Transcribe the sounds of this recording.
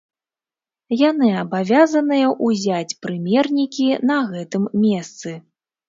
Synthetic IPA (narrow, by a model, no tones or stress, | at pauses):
janɨɐbavʲazɐnɨjɐʔuzʲat͡sʲpɾɨmʲɛrnʲikʲinɐɣɛt̪ɨmːʲɛst̪sɨ